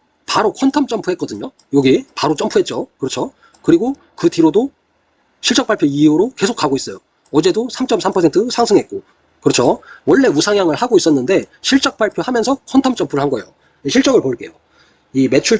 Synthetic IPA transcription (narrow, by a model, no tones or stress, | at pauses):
paɾokʰʌntʰʌmt͡ɕ͈ʌmpʰuɦek͈ʌdɯɲo | joɡipaɾot͡ɕ͈ʌmpʰuɦet͡ɕ͈okɯɾʌt͡ɕʰo | kɯɾiɡo | kɯtiɾodo | ɕʰiɭt͡ɕ͈ʌk̚paɭpʰjoiuɾoke̞sʰok͈aɡois͈ʌjo | ʌd͡ʑe̞dosʰamt͡ɕ͈ʌmsʰampʰʌsʰentʰɯsʰaŋsʰɯŋɦe̞t̚k͈o | kɯɾʌt͡ɕʰowʌɭːe̞usʰaŋjaŋɯɭhaɡois͈ʌnːɯnde̞ɕʰiɭt͡ɕ͈ʌk̚p͈aɭpʰjohamjʌnsʰʌkʰʌntʰʌmt͡ɕ͈ʌmpʰuɾɯɭɦanɡʌejo̰ | eɕʰiɭt͡ɕ͈ʌɡɯɭpoɭk͈e̞̰jo | ime̞t͡ɕʰuɭ